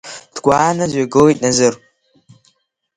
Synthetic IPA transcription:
d̥ɡʷaːnazaɡɨwitʼnazɨr

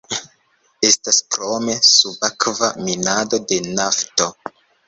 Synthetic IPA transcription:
e̞staskɾome̞subakvaminado̞de̞nafto̞

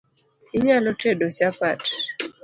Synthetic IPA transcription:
ɪɲalɔtedot͡ʃapat

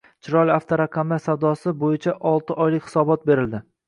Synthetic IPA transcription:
t͡ʃʰɪɾɒlʲaft̪ʰaɾaqʰɑmlaɾsawd̪ɒsɪbojɪt͡ʃʰaʔɒlˠt̪ɪʔɒjlɪkʲhɪ̥sɒbɒt̪̚be̞ɾɪld̪ɪ

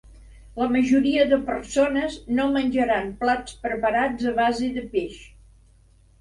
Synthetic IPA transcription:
ləməʒuɾiəðəpəɾsonəznomənʲd͡ʒəɾamplat͡spɾəpəɾad͡zəβaziðəpeʃ

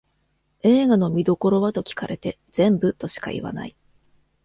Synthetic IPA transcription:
e̞ːɡano̞mʲid̪o̞ko̞ɾo̞βat̪o̞kʲi̥kaɾʔe̞t̪e̞ | d͡z̥ẽ̞mbɯ̟t̪o̞ɕi̥ka̰ʔḭβa̰na̰i

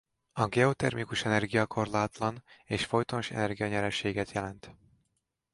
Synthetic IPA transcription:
ɒɡɛot̪ɛrmikuʃɛnɛrɡijɒkʰo̞rlaːt̪lɒneːʃfo̞jt̪onʃɛ̰nɛrɡijɒɲɛɾɛʃeːɡɛt̪jɛlɛnt̪

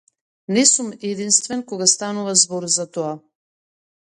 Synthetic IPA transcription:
nɛsumɛd̪inst̪vɛnkɔɡast̪anuvazbɔɾzat̪ɔa

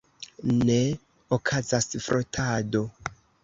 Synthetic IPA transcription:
ne | okʰazasfɾʔotʰado̞

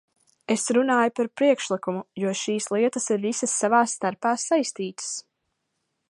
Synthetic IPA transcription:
esɾunaːjupaɾpɾiɛkʃlˠikumujuɔʃiːslˠiɛt̪əsiɾvisəsːavaːsːt̪aɾpaːsajst̪iːt̪ə̥s

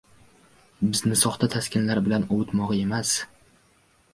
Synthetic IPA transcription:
bɪznɪsɒχt̪ʰat̪ʰaskʲɪnlaɾbɪlanowɪt̪mɒʁɨe̞mas

